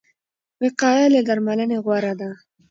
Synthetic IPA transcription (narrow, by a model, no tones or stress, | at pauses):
wɪqɑjaled̪aɾmaləneɣwaɾad̪a